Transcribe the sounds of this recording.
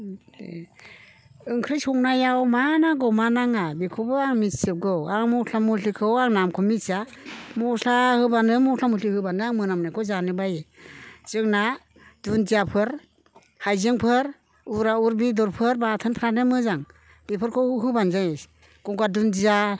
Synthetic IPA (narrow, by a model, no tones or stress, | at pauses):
ḛ | ɯŋkʰɾɯjsɔŋnajawmanaɡɯwmanaŋabikʰɔwbɯaŋmitsɯp̚ɡɯwaŋmɔɬʰamuɬikʰɯwaŋnamkʰɔmitsa | mɔɬahɯbanɯmɔɬʰamulihɯbanɯaŋmɯnamnakʰɔwzanɯbajez̥ɯŋna | dunzijapʰɯɾ | hajzɯŋpʰɯɾ | uɾauɾbidɔɾpʰɯɾbatʰɯnpʰɾanɯmɯzaŋ | b̥ipʰɯɾkʰɯwɦɯbanzas | ɡ̥ɔŋɡadundija